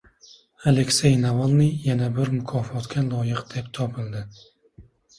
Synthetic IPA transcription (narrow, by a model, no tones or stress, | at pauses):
ale̞kʲsejnavalˠnɪjːanabɪɾmʊkʰɒfɒt̪kʲʰalˠɒjɨqd̪̥ept̪ʰɒpʰɪld̪ɪ